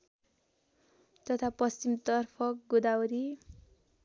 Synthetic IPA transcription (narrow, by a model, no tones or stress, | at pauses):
t̪ʌt̪ʰapʌst͡ɕimt̪ʌrpʰʌk̚ɡud̪awɾi